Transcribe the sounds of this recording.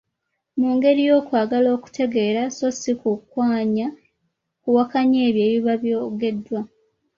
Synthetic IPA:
muːŋɡe̞ɾijo̞ːkwaːɡalo̞ːku̥tʰe̞ɡe̞ːɾaso̞sikukwaːɲa | kuwakaɲe̞ːβje̞ːβiβaβjo̞ːɡe̞dːwa

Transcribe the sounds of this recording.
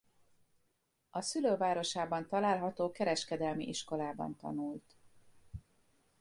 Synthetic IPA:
ɒsyløːvaːɾo̞ʃaːbɒnt̪ɒlaːlɦɒt̪oːkɛɾɛʃkɛd̪ɛlmḭʔiʃko̞laːbɒ̰nt̪ɒ̰nuːlt̪

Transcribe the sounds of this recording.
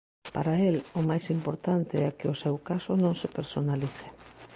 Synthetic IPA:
paɾaelʊmajsimpoɾt̪ant̪ɪɛkɪʊsɛwkasʊnõŋsepeɾsonaliθe̥

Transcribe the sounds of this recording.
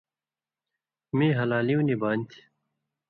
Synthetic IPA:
mĩːɦɐlaːliwnibaːnʲt̪ʰi̥

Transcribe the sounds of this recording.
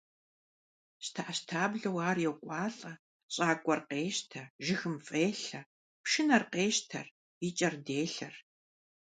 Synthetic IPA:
ɕtʰaʔaɕtʰaːbɮɐwaːrjɛwkʷʼɑːɬʼɐ | ɕʼaːkʷʼɔrqeːʃtʰɐʒɪxɨmfʼeːɬɐ | pʃɪnɐrqeːʃtʰɐr | it͡ʃʼɐrdeːɬɐr

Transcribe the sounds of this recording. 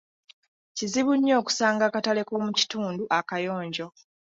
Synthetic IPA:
ciziβuɲːo̞ːku̥saːŋɡakatale̞ko̞ːmuci̥tuːnduʔakajo̞ːɲɟo̞

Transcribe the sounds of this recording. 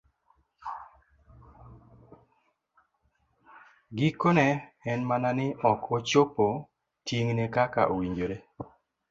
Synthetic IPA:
ɡikonɛɛnmananɪɔkʰot͡ʃopo | tjiŋnekaka̰ʔowiɲd͡ʒoɾe

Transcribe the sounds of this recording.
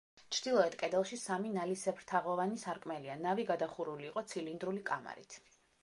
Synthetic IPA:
t͡ʃʰɾd̪̥ilˠɔɛt̪kʼɛd̪ɛlˠʃisaminalisɛpʰɾt̪ʰaʁɔvanisaɾkʼmɛlianaviɡad̪aχuɾuliːqʼɔt̪sʰilind̪ɾulikʼama̰ɾḭt̪ʰ

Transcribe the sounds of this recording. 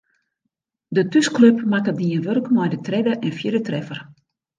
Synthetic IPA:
dətyskløpmakədiənʋørkmɔjdətrɛdəʔɛnfjɪdətrɛfər

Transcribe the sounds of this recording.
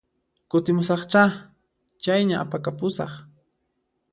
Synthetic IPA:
kʊt̪ɪmʊsɑχt͡ʃa | t͡ʃajɲaʔapakapʊsɑ̰χ

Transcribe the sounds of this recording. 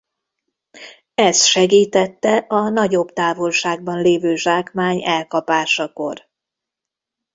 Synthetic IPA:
ɛst̪ʃɛɡiːt̪ɛt̪ːɛʔɒnɒɟo̞bt̪aːvo̞lʃaːɡ̚bɒnleːvøːʒaːkmaːɲɛlkɒpaːʃɒko̞̰r

